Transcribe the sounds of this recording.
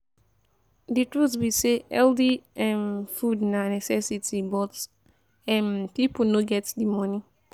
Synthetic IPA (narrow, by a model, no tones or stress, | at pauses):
dɨtɹuwiseɛldiɛ̃mfudnanɛsɛsitibɔt | ɛ̃npip̩noɡɛtsdimʌ̃ni